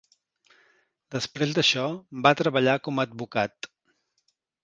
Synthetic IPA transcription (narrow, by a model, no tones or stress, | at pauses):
d̪̥əspɾezd̪əʃɔmbat̪ɾəβəʎakɔməːd̪̚bukat̪